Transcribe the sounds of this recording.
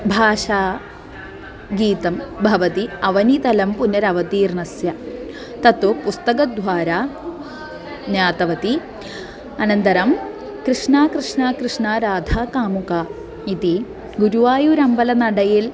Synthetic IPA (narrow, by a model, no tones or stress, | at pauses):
bʱaːʂaː | ɡiːt̪ɐmbʱɐʋɐt̪iɐʋɐnit̪ɐlɐmpunːɐɾɐʋɐt̪iːɾnɐsjɐ | t̪ɐt̪upust̪ɐkɐd̪ʱʋaːɾaː | njaːt̪ɐʋɐt̪i | ɐnɐnt̪ɐɾɐm | kɾɨʂɳaːkɾɨʂɳaːkɾɨʂɳaːɾaːd̪ʱaːkaːmuka | it̪i | ɡuɾuʋaːjuɾɐmbɐlɐnɐɽɐjil